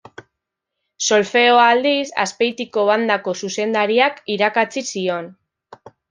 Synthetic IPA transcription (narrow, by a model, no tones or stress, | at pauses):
so̞lfe̞oald̪isa̰spe̞jt̪iko̞βand̪ako̞suse̞nd̪aɾiakiɾakat͡sisio̞n